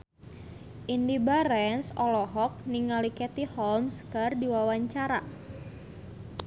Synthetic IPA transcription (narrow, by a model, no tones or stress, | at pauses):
ʔindibaɾɛnsɔlɔɦɔk̚niŋalikɛt̪ihɔlmskardiwawaɲt͡ʃaɾa